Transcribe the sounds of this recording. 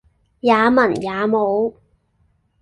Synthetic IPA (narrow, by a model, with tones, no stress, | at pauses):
jaː˨˧mɐ˨˩njaː˨˧mo˨˧w